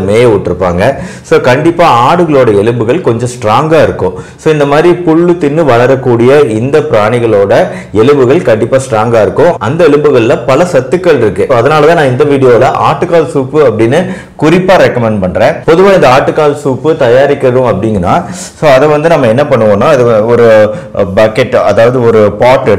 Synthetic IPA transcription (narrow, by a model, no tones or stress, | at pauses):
meːjeʊʈːɪɾɯpːa̰ːŋɡɐsoːkɐɳɖɪpːaːaːɽɯɣɐɭoːɽɐɛɭɯmbɯɣɐɭkɔɲd͡ʒɔ̃sʈɾaːŋɡaːɪɾɯkːʊ̃soːɪnd̪ɐmaːd̪ɾipʊɭːɯt̪ːɪnːɯʋɐɭɐɾɐkːuːɽɪjɐɪnd̪ɐpɪɾaːɳɪɣɐɭoːɽɐ | ɛlɯbɯɣɐɭkɐɳɖɪpːaːsʈɾaːŋɡaːɪɾɯkːʊ̃ʔɐnd̪ɐɛɻɯmbɯɣɐɭɪlɐpɐlɐsɐt̪ːɯkːɐɭɪɾɯkːẽːɐðɐnaːlɐt̪ãːnãːɪnd̪ɐʋiːɽɪjoːlɐʔaːʈːɯkːaːlsuːpːɯɐpːɐɽɪnːɯ | kʊɾɪpːaːɾɛkːɐmɛɳɖpɐɳːɾẽːpɔðɯʋaːɪnd̪ɐaːʈːɯkːaːlsuːpːɯt̪ɐjaːɾɪkːɪɾɐɾũɐpːɐɽɪŋɡɐnːa̰ː | soːɐðɐʋɐnd̪ɯnɐmːɐɛnːɐpɐɳːɯʋoːnaːɐðɯɔɾɯ | bɐkɛʈːɐðaːʋɐðɯɔɾɯpaːʈːɯ